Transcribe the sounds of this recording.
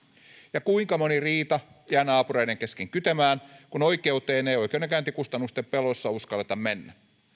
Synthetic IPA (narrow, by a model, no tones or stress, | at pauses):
jɑkuiŋkɑmoniriːt̪ɑ | jæːnɑːpureiɾeŋkeskeŋkyt̪æmæːnkunoikeut̪eːnejoikeːnekæynt̪ikust̪ɑnːˑust̪eppelosːɑuskɑlːet̪ɑmmenːæ